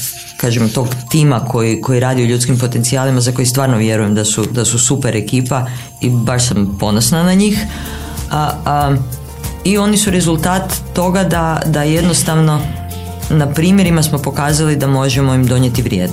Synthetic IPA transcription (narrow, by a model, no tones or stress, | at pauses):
kaːʒemt̪o̞ɡt̪iːmako̞jiko̞jiɾaːd̪ioʎut̪skimpo̞t̪ent̪siaːlimazako̞jist̪ʋaːɾnoʋje̞ɾuje̞md̪asud̪asusupeɾe̞kiːpa | ibaʃsampo̞no̞snanaɲiːx | io̞nisuɾezulˠt̪aːt̪ːo̞ɡad̪ad̪aje̞d̪no̞st̪aʋno̞ | napɾiːmje̞ɾimasmo̞po̞kaːzalid̪amo̞ʒe̞mo̞imd̪o̞ɲjet̪iʋɾjeːd̪